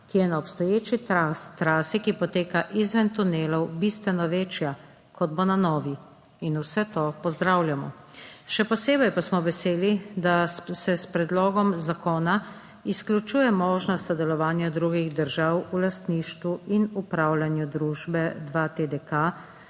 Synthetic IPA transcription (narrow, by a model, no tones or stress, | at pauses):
kijɛnaɔpst̪ɔjeːt͡ʃiat̪ɾaːsikipɔt̪eːkaʔizʋɛnt̪uneːlɔwbist̪ʋɛnɔʋeːt͡ʃja | kɔd̪bonanɔːʋi | inusɛt̪oːpɔzd̪ɾawlʲjamɔ̰ | ʃɛpɔseːbɛjpasmɔʋɛseːlid̪asɛspɾɛd̪lɔːɡɔmzakoːna | isklʲjut͡ʃuːjɛmɔːʒnɔst̪sɔd̪ɛlɔʋaːnjad̪ɾuɡiɣd̪əɾʒawulast̪niʃt̪ʋuinupɾawlʲanjud̪ɾuːʒbɛd̪ʋat̪ed̪ɛka